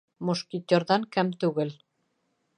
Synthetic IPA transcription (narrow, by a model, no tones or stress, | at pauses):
mŏʃkit̪ʲːeɾðɑŋkɘmt̪ʉɣɘl